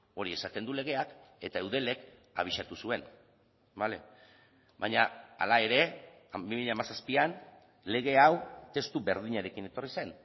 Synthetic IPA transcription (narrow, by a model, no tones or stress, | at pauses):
o̞ɾie̞sat̪e̞nd̪ule̞ɣ̞e̞ake̞t̪aewðe̞le̞ka̰β̞iʃat̪usue̞n | bale̞̰ | bajɲaa̰lae̞ɾe̞ | bimiʎamasaspian | le̞ɣ̞e̞awt̪e̞st̪ube̞ɾðiɲaɾe̞kine̞t̪orise̞n